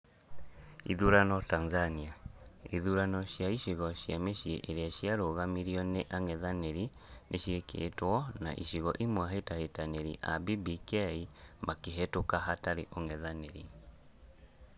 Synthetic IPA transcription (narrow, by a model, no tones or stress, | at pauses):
iðuɾanɔtanzaniaiðuɾanɔɕjaiʃiɣɔɕjameɕieʔeɾeaʃjaɾoɣamiɾiɔneʔaŋɛðaneɾi | neɕiekʰḛtwɔna̰ʔḭʃiɣɔʔimwaɦetahetaneɾiʔa̰bibikɛimakeɦetokaɦataɾeʔoŋɛðaneɾi